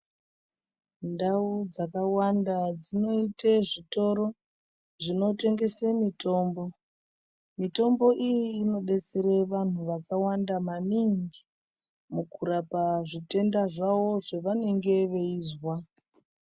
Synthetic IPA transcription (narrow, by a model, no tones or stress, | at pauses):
ndaud͡zakawandad͡zino̞iteʐito̞ɾo̞ | ʐino̞te̞ŋɡe̞semito̞ːmbo̞ | mito̞mbo̞ʔijiːno̞ɗe̞t͡seɾeʋan̤uʋakawandamaniŋɡi | mukʰuɾapaʐite̞ndaʐawo̞ʐeʋane̞ŋɡe̞ʋe̞iːzwa